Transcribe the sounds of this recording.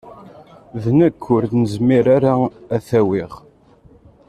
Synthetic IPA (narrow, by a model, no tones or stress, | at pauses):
ðnækːʊɾd̪nəzmiɾaɾaæθæwiʁ